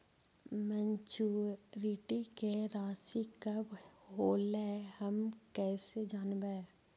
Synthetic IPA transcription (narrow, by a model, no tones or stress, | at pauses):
mɛ̃ɲt͡ʃuːɾiʈikeɾaːsikɐbɦoːlɛhɐmkɛːsed͡ʒaːnbɛː